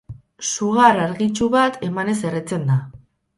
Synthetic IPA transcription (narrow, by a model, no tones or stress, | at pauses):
suɣaɾaɾɣit͡ʃuβat̪e̞mane̞se̞ret͡se̞nd̪a